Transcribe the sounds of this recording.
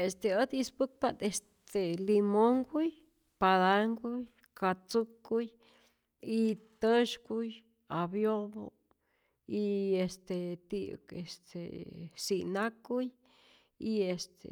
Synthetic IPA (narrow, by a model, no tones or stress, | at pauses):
est̪eəd̪ispuk̚pat̪est̪elimoŋɡuj | pad̪aŋɡuj | kat͡sukuj | it̪əʃɡuj | abjobo̰ | iest̪et̪ḭkḛst̪ʰḛsinakuj | iest̪ḛ